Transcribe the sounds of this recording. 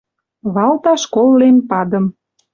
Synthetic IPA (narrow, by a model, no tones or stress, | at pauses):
βɑlt̪ɑʃkolːenpɑd̪ə̆m